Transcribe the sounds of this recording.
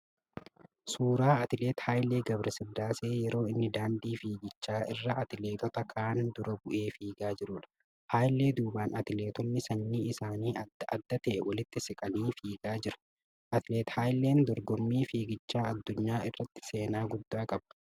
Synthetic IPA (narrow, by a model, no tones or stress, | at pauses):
suːɾaːɐt̪ɪleːt̪haːjle̞ːɡɐbɾɐsɪd̪ːaːse̞ːjɛɾo̞ːɪnːɪd̪aːnd̪iːfiːɡɪt͡ʃːaːʔɪrːɐɐt̪ɪle̞ːk̪ɔt̪ɐkʰaːnd̪ʊɾɐbʊʔe̞ːfiːɡaːd͡ʒɪɾʊᶑɐ̥ | haːjlːeːd̪uːbaːnɐt̪ɪle̞ːt̪ɔnːɪsɐnːiːɪsaːniːɐʔɐd̪ːɐt̪ɛʔːwɐlɪt̪ːɪsɪkʼɐniːfiːɡaːd͡ʒɪɾɐ̥ | ʔɐt̪ɪleːt̪haːjlːe̞ːnd̪ɔɾɡɔmːiːfiːɡɪt͡ʃːaːɐd̪ːʊɲːaːɪrːɐt̪ːɪ̥se̞ːnaːɡʊd̪ːaːkʼɐbɐ̥